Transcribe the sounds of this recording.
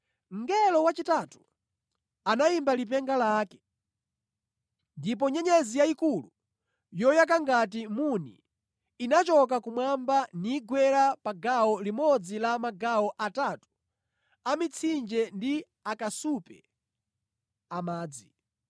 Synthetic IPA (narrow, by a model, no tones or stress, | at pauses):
ŋ̩ɡɛlɔwat͡ʃitatu̥ | anaimbalip̬ɛŋɡalaːkɛ̥ | ndip̬ɔɲɛɲɛzijaikulu | jɔjak̬aŋɡat̬imunḭ | inat͡ʃɔk̬akumwambaniɡwɛɾapaɡaɔlimɔd͡zilamaɡaɔʔatatu̥ | amit͡sʰind͡ʒɛndi | akasupɛ | amaːd͡zi